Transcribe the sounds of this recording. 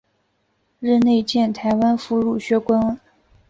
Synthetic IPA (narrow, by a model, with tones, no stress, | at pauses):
ɻ̩˥˧ne˥˧ɪt͡ɕjɛ˥˩nt̪ʰa˧˥ɪwa˥nfu˧˥ɻu˥˨˩ɕɥɛ˥kwa˥n